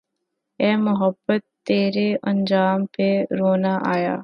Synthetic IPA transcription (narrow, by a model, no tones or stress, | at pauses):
ɛːmʊɦəbːət̪ːeːɾeʔɐ̃nd͡ʒaːmpeɾoːnaʔaːja̰ː